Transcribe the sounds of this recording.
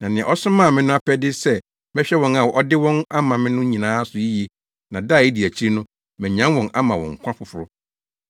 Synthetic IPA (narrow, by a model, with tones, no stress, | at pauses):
nã˨nɪ̃˨ɛ̃˨ʔɔ˦sʊ˦mã˦˨mɪ̃˦nʊ̃˦a˦pʰɛ˦dɪ˦sɛ˦ | mɛ̃˦ɕᶣɛ˦wɔ̃˨na˨ɔ˦dɪ˦wɔ̃˦na˦mã˨mɪ̃˦nʊ̃˦ɲĩ˨nãː˦sʊ˨i˦je˨ | nã˨da˦˨i˦di˨æ˨t͡ɕʰi˦ɾi˦nʊ̃˦ | mɛ̃˨ɲ˨ã˦nwɔ̃˨na˦mã˨wɔ̰̃˨ŋ̩˨kʷʰã˦fʊ˨fʊ˨ɾʊ˦